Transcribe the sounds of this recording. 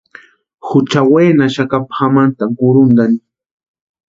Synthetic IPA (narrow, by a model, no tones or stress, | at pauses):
hʊt͡ʃaweːnaʃakapxamant̪aɡʊɾʊnd̪an